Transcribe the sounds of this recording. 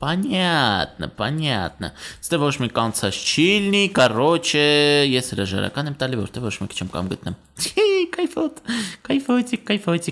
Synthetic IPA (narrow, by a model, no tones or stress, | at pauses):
pɑnɑt̪nə̰pɑnʲɑ̰t̪̚nə̰st̪ɛvɔt͡ʃʰmikɑnt͡sʰɑt͡st͡ʃʰilnikɑrɔt͡ʃʰɛjɛshəɾɑʒɑ̰ɾɑ̰kɑnɛmt̪ɑlivɔ̰ɾt̪ɛvvɔt͡ʃʰmɛkt͡ʃʰɛmkɑ̰mɡət̪̚nɛmʰ | ikɑjfɔt̪kɑjfɔt͡sikːɑjfɔt͡si